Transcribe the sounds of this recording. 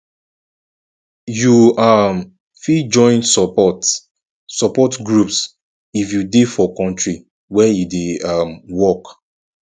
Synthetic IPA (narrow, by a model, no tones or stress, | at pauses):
juam | fid͡ʒɔ̃ɪ̃nsɔt | sɔpɔtɡɹups | ifjudefɔkɔ̃ntɹi | wɛjudeamwɔk